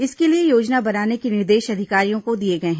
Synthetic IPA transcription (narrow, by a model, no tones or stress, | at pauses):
ɪskeliejoːd͡ʒnabɐnaːnekinɪɾd̪eːʃɐd̪ʱɪkaːɾijõkod̪ieɡɐeɦɛ̃ː